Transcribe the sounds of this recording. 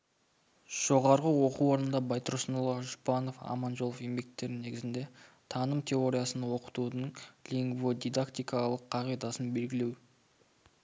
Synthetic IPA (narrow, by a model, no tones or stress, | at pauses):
ʒ̥o̞ʁɑɾʁəwo̞quwoɾənənd̪ɑbɑjt̪əɾsnolˠɑʒʊpɑno̞fɑ̰mɑnʒo̞lˠofembe̞k̚t̪ːe̞ɾɪne̞ɡʲɪzɪnd̪e̞ | t̪ʰɑnəmt̪ʲʰe̞o̞ɾʲijasənɑwo̞qə̥t̪ud̪əɴlʲiŋɡvod̪ʲijd̪akt̪ijkɑlˠəqʰːɑʁijd̪ɑsənbe̞lɡʲɪle̞w